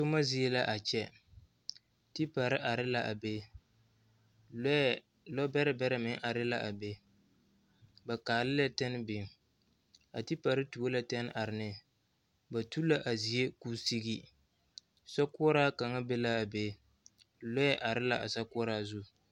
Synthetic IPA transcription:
tʊ˦ma˦zi˦e˦la˦ʔa˨t͡ʃɛ˦ | ti˦pa˨ɾɪ˦ʔa˨ɾɪ˦la˨ʔa˨be˦ | lɔ˦bɛ˦ɾɪ˦bɛ˦ɾɪ˦mɪ˨ŋʔa˨ɾɪ˦la˦ʔa˨be˦ | ba˨kaː˨lɪ˦lɛ˦tɛ˦n˦bɪ˨ŋ | a˨ti˦pa˨ɾɪ˦tu˨o˦la˦tɛ˦n˦ʔa˨ɾɪ˨nɪ˦ | ba˨tu˦la˦ʔa˨zi˨je˦kuː˦si˦ɡi˦ | sɔ˦kʊ˦ɔ˦ɾaː˦ka˨ŋa˦be˦la˦a˨be˦ | lɔ˦ɛ˦ʔa˨ɾɪ˦la˦a˨sa˦kʊ˦ɔ˦ɾaː˦zu˦

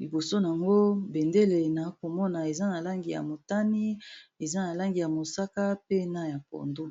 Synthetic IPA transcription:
li˨bo˨so˦n˨a˨ŋɡo˦be˨nde˦le˨na˨˦ko˨mɔ˦na˨e˨za˦na˨la˦ŋɡi˨ja̰˨mo˨ta˦ni˦e˨za˦na˨la˦ŋɡi˨ja˨mo˨sa˦ka˦pe˦na˦ja˨ko̰˨ndu˦

